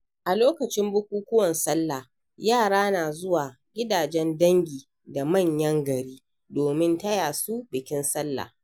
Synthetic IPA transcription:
ʔa˨loː˦kɐ˨t͡ʃɪ˦mbʊ˦kʷuː˦kʷʊ˦wɐ˨nsɐ˦lːa˨ | jaː˦˨ɽaː˦naː˨zʊ˦waː˨ | ɡʲɪ˦daː˨d͡ʒɛ˦ndɐ˦ŋɡʲiː˨ | da˨mɐ˦˨ɲjɐ˦ŋɡɐ˨ɾiː˦ | doː˨mɪ˦ntɐ˦jaː˨su˦bɪ˨kʲɪ˦nsɐ˦lːa̰˨

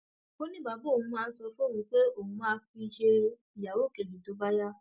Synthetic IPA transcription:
o˦nĩ˦˨ba˨˦bo˦˨ũ˧˦mãː˦˧˦sɔ˧fo˦˨i˨˦k͡pe˦o˦˨hũ˧mãː˧fi˧˦i˧ʃe˧ | i˨ja˨wo˦˨ke˨bĩ˨to˨˦ba˦ja˦

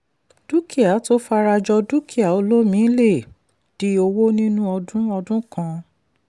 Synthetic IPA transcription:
d̥u˦ki˦˨a˨˦to˦fa˧ɾa˧d͡ʒɔ˧du˦ki˦a˨o˧lo˦mĩ˨˦le˦˨ | d̥i˦o˧wo˦nĩ˦nũ˦ɔ˧dũ˦ɔ˧dũ˦kã˧

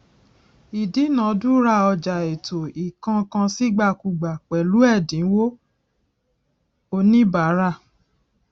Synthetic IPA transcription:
i˨di˨˦nã˨˦du˦ɾa˦˨ɔ˧d͡ʒa˨e˨to˨i˨kã˧kã˧si˦ɡ͡ba˦˨ku˧˨ɡ͡ba˨k͡pɛ˨lu˨˦ɛ˦˨dĩ˨˦wo˦ | o˧nĩ˦ba˨˦ɾa˦˨

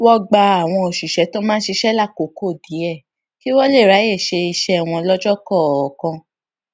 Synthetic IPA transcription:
wɔ˦ɡ͡ba˧a˨w̃ɔ̃˧o˨ʃu˨ʃɛ˨˦to˦mãː˦ʃe˧ʃɛ˦la˦˨ko˨˦ko˦˨di˨˦ɛ˦˨ | ki˦wɔ˦le˦˨ɾa˨˦je˦˨ʃe˧i˧ʃɛ˦˨w̃ɔ̃˧lɔ˦d͡ʒɔ˦kɔ˦˨kɔ̃˧

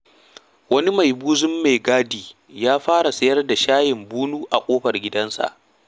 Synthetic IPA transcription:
wɐ˦ni˦ma˨jbuː˦zʊ˦mːe˨ɡaː˦diː˨ | jaː˦ɸaː˦ɽa˨sɐ˦jɐ˦rda˨ʃaː˦jɪ˨mbuː˦nuː˦ʔa˨kʷʼoː˦ɸɐ˨rɡʲɪ˦dɐ˦nsa̰˨ʔ

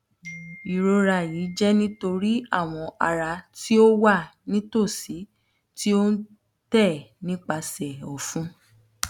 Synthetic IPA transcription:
i˨ɾo˧ɾa˧˨ji˨˦d͡ʒɛ˦nĩ˦to˧ɾi˦a̰˦˨w̃ɔ̃˧ʔa˧ɾa˧ti˦o˦wa˦˨nĩ˦to˦˨si˨˦ | ti˦o˦n̩˦ | tɛ˦˨nĩ˦k͡pa˧sɛ˨ɔ˨fũ˦

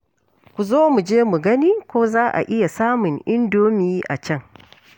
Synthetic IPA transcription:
kʷu˨zoː˦mu˨d͡ʒeː˦mu˨ɡɐ˦niː˦kʷoː˦zaː˦ʔa̰˨ʔɪ˦ja˨saː˦mʊ˨ŋʔɪ˦ndoː˦miː˦ʔa̰˨t͡ʃɐ˦˨ŋ

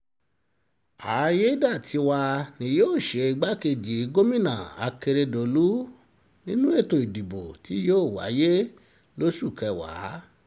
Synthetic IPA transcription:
a˨˦je˦da˦˨tʰi˧˦wa˧nĩ˧joː˦˨ʃe˨˧i˧ɡ͡ba˦ke˧d͡ʒi˨˦ɡo˦mĩ˦˨nã̰˨a̰˧ke˧ɾe˧do˨lu˦ | nĩ˦nũ˦e˦˨to˧˨i˨di˨bo˨tʰi˨˦joː˦˨wa̰˨˦je˦ | lo˦ʃu˦˨kɛ˧wa̰˨˦

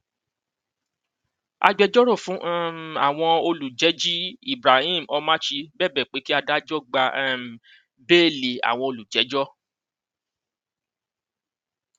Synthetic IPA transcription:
a̰˧ɡ͡bɛ˧d͡ʒɔ˦ɾɔ̃˦˨fũ˨˦ʔa˨w̃ɔ̃˧o˧lu˨d͡ʒɛ˨˦d͡ʒi˦i˦˨bɾa˨hĩ˦˨m̩˨ʔɔ˧mã˦ʃi˧bɛː˦˨bɛ˨k͡pe˨˦ki˦a˧da˦d͡ʒɔ˦˨ɡ͡ba˧˦˨ | beː˦˨le˨a̰˨w̃ɔ̃˧o˧lu˨d͡ʒɛ˨˦d͡ʒɔ˦

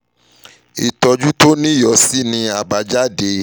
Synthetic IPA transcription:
i˨tɔ˧d͡ʒu˦to˦nĩ˦jɔ˨˧˦si˦nĩ˧a˨ba˧d͡ʒa˦de˧

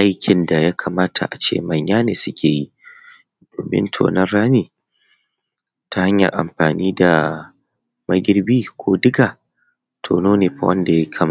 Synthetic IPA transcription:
ʔa˦jkʲʰɪ˨nda˨ja˦kʰaː˨maː˦tʰa̰˨ʔa˨t͡ʃḛː˦˨mɐ˨ɲjaː˦neː˨sʊ˦kʲʰeː˨ji˦ | d̥oː˨mɪ̰˦ntʰo̰ː˨nɐ˦rɽaː˦niː˨ | tʰa˦ha˦ɲjɐ̰˨ʔa̰˨mɸaː˨niː˦da˨ | mɐ˦ɡʲɪ˦rbiː˦kʷoː˦dɪ˦ɡa˨ | tʰo̰ː˨noː˦neː˨ɸa˦wɐ̰˦nda˨ja˦kʰa˦m˦˨

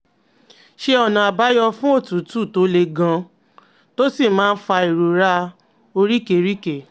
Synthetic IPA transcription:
ʃe˧ɔ˧˨nã˨a˧ba˦jɔ˧fũ˦o˦˨tũ˨˦tu˦˨to˨˦le˧ɡã˧ | to˦si˦˨mãː˦˧n̩˦fa˧i˨ɾu˨ɾa˧ | o˧ɾi˦ke˨ɾi˦ke˦˨

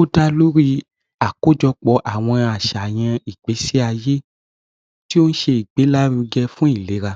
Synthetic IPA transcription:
o˦da˧lo˦ɾi˧ | a˨ko˦d͡ʒɔ˧k͡pɔ˧˦ʔa˨w̃ɔ̃˧a˨ʃa˨j̃ã˧i˨ɡ͡be˨˦se˦a˧je˦ | ti˦o˦n̩˦ʃe˧i˨ɡ͡be˨˦la˦ɾũ˧ɡɛ˦fũ˦i˦˨le˨˦ɾa˧

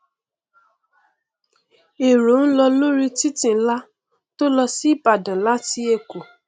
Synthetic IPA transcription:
e˨ɾu˨˦n̩˦lɔ˧lũ˦ɾi˧ti˦tĩ˦˨n̩˦la˦ | to˦lɔ˧si˦i˦˨pa˨dã˨la˦ti˦e˦˧˨ku˨

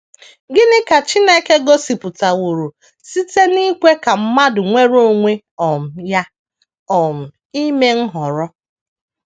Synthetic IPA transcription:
ɡɪ˦nɪ˦ka˨t͡ʃɪ˦ne˦ke˦ɡo˦si˨pʊ˨ta˨wu˨ɾu˨ | si˦te˦ni˦kʷe˦ka˨m̩˦ma˦dʊ˨ŋʷe˦ɾo˦˨ŋʷe˦ | ɔ˨m̩˨ja˦ | ɔ˨m̩˨ | i˦me˦ŋ̩˦ɦɔ˨ɾɔ˦

